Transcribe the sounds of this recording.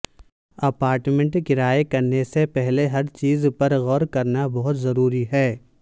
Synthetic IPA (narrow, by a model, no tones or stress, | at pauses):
ɐpaːɾʈmẽɳʈkɪɾaːjekɐɾnesepɛɦleɦɐɾt͡ʃiːzpɐɾɣɔːɾkɐɾnabɔɦʊt̪zɐɾuːɾiɦɛː